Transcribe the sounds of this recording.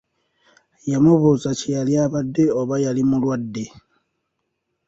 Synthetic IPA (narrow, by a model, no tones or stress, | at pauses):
jamuβuzacejaliaβadːe̞oβajalimulwadːe̞